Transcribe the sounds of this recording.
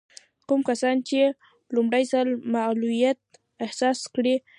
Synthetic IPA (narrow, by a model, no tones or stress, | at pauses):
kʊmkasant͡ʃɪ | lʊmɾajsalmaʔlʊjat̪̚ | ehsaskɾɪ